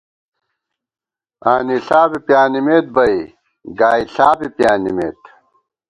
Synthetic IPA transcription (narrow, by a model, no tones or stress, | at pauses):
aːniɬaːbipjaːnimeːt̪̚bɐi | ɡaːiɬaːbipjaːnimḛːt̪